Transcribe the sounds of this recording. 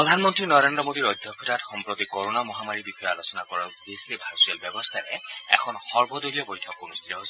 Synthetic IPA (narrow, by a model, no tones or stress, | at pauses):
ɔd̪ʱanmɔntɹinɔɹendɹɔmod̪iɹɔjd̪ʱjɔkʰːɔtʰatxɔmpɹot̪ikoɹonamɔɦamaɹibixʰɔjɔalosɔnakɔɹabesebʱaɹsiɔlbjɛbɔst̪ʰaɹɛ̰ɛ̰kʰɔnxɔɹbɔdolijɔbɔjtʰɔkunust̪ʰitɔɦos